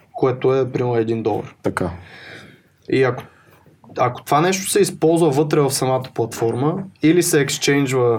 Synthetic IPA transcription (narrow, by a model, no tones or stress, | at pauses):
koɛt̪oɛpɾiɛd̪ind̪ɔlˠə̰ɾt̪ɐka | iɐko̥ | ɐko̥t̪ovanɛʃt̪o̥sɛispɔlˠzvəvɤt̪ɾɛvɐfsɐmat̪ə̥plˠɐt̪fɔɾməilisɛːkst͡ʃɛnd͡ʒvə